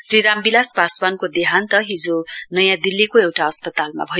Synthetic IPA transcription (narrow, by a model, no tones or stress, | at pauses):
sriɾambilaspaswankod̪eɦant̪ʌɦid͡zonʌjãd̪ilːikoewʈaʌspʌt̪alma̰bʱʌ